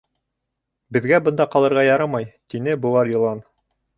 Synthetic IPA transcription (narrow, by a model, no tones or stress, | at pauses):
bɘ̆ðɡæbɤ̆nd̪ɑqɑlˠɤ̆ɾʁɑjɑɾɑmɑjt̪inɘbŭwˠɑɾjɤ̆lˠɑn